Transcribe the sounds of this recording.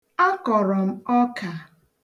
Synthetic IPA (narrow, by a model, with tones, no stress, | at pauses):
a˦kɔ˨ɾɔ˨m̩˦ɔ˦ka˨